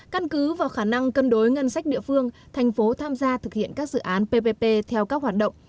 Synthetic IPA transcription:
ka˧nkɨ˨˦vaː˨˩wxaː˧˩na˧ŋkə˧nɗo˨˦jŋə˧nsa˦˥k̟̚ɗḭ˧˨əfɨ˧əŋ | t̪ʰɛ˨˩jŋ̟fo˨˦t̪ʰaː˧mzaː˧t̪ʰɨ˨˩k̚hḭ˧˨ənkaː˦˥k̚zɨ̰˧˨ʔaː˨˦npe˧pe˧pe˧t̪ʰɛ˧wkaː˦˥k̚ɦwaː˨˩t̚ɗə̰˧˨wŋ͡m

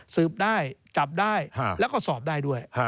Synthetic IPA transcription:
sɯː˨˩p̚daː˥˩jt͡ɕa˨˩p̚daː˥˩jʰlɛ˦˥wkɔː˥˩sɔː˨˩p̚daː˥˩jdu˥˩əj

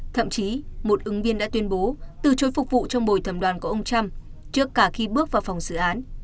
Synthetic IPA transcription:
t̪ʰə̰˧˨mt͡ɕi˨˦mo˨˩t̚ʔɨ˨˦ŋvi˧ənɗa̰ː˧˥t̪wi˧ənɓo˨˦t̪ɨ˨˩t͡ɕo˨˦jfʊ˨˩k̚vṵ˧˨t͡ɕɔ˧wŋ͡mɓo˨˩jt̪ʰə˨˩mɗwaː˨˩nku˧˩˦ʔə˧wŋ͡mt͡ɕa˧m | t͡ɕɨ˦˥əkːaː˧˩xi˧ɓɨ˦˥ək̚vaː˨˩wfa˨˩wŋ͡mzɨ̰˧˨ʔaː˨˦n

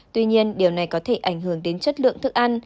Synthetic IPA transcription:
t̪wi˧ɲi˧ənɗi˨˩əwna˨˩jkɔ˨˦t̪ʰe˧˩ʔa˧˩jŋ̟ɦɨ˧˩əŋt̪e˨˦nt͡ɕə˦˥t̚lɨ̰˧˨əŋt̪ʰɨ˦˥k̚ʔa˧n

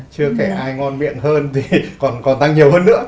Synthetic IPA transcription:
t͡ɕɨ˧əkɛ˧˩ʔaː˧jŋɔ˧nmḭ˧˨ənhəː˧nt̪ʰi˨˩kɔ˨˩nkɔ˨˩nt̪a˧ŋɲi˨˩əwhɦəː˧nːɨ̰˧˥ə

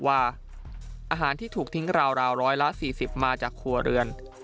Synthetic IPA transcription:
waː˥˩ | ʔaː˧ɦaː˩˦nt̪ʰiː˥˩t̪ʰuː˨˩k̚t̪ʰi˦˥ŋɾaː˧wɾaː˧wɾɔː˦˥jla˦˥siː˨˩si˨˩p̚maː˧t͡ɕaː˨˩kʰːu˧ɐɾɯ˧ən

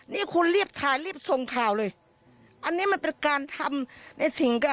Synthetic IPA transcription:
niː˦˥˩kʰu˧nli˥˩əp̚t̪ʰaː˨˩jliː˥˩əp̚so˨˩ŋkʰaː˨˩wlɤː˧j | ʔa˧nːiː˦˥ma˧npe˧nkaː˧nt̪ʰa˧mna˧jsi˨˩˦ŋka˧˩

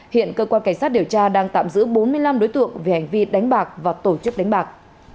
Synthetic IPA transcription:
hḭ˧˨ənkəː˧kwaː˧nka˧˩ŋ̟saː˦˥t̚ɗi˨˩əwt͡ɕaː˧ɗaː˧ŋt̪a̰ː˧˨mzɨ̰˧˥ɓo˨˦nmɨ˧əjla˧mɗo˨˦jt̪ɨ̰˧˨əŋve˨˩ha˨˩jŋ̟vi˧ɗa˨˦jŋ̟ɓaː˨˩k̚vaː˨˩t̪o˧˩t͡ɕɨ˦˥k̚ɗa˨˦ŋ̟ɓaː˨˩k̚

